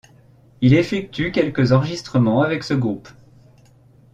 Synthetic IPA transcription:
ilefɛk̚t̪ykʲɛlkəzɑ̃ʁʒist̪χəmɑ̃avɛksəɡʁup

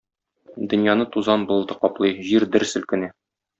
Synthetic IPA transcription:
d̪ɵ̆njɑnɤt̪uzɑnbŭlˠd̪ɤqɒplˠɤjʑiɾd̪ɘ̆ɾsɵ̆lkɘ̆næ

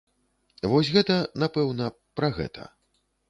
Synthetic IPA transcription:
vɔs̬ʲɣɛt̪ɐnapɛwnɐ | pɾɐɣɛ̰t̪ʰɐ̰

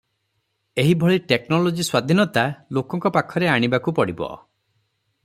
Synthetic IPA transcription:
eɦibʱɔɭiʈeknɔlod͡ʒiswad̪ʱinɔt̪alokɔŋkɔpakʰɔɾeaɽ̃ibakupɔɽibɔ̰

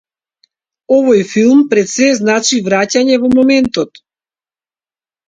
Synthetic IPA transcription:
ɔvɔjfilˠmpɾɛt̪sɛznat͡ʃivɾacaɲɛvɔmɔmɛnt̪ɔt̪

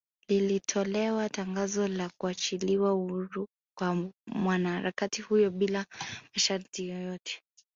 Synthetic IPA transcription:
lilitʰɔlɛwataŋɡazɔlakuat͡ʃiliwauhuɾu | kwamwanahaɾakatihujɔɓilamaʃaɾtijɔjɔtʰɛ̥

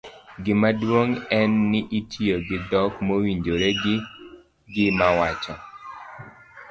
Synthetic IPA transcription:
ɡɪmadwoŋɛnːɪʔitʰioɡɪdɔkmowiɲd͡ʒoɾeɡɪ | ɡɪmawat͡ʃɔ

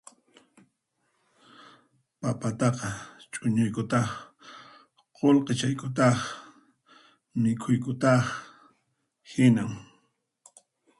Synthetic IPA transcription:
papat̪ɑqɑt͡ʃʼʊɲʊjkʊt̪ɑχ | qolqet͡ʃajkʊt̪̬ɑχ | mɪkʰʊjkʊt̪ɑχ | hɪnaŋ

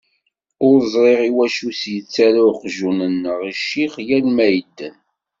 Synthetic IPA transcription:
ʊɾzˤɾˤeʁiwæʃusjət͡sːæɾaqʒunənːəʁiʃːiχjænmæjəd̪ːən

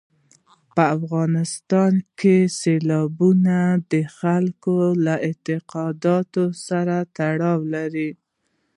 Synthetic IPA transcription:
pəafɣɑnɪst̪ɑnkʰeselɑbunad̪əxalkolaʔɪt̪ɪqɑd̪ɑt̪osaɾat̪aɽɑwlaɾi

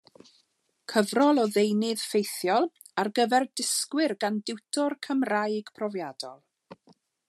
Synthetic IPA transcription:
kʰəvrɔlˠɔðejnɪð̥fejθjɔlˠ | arɡəvɛrdɪskwɪrɡandɪwtʰɔrkʰəmrajɡ̥pʰrɔvjadɔ̰lˠ

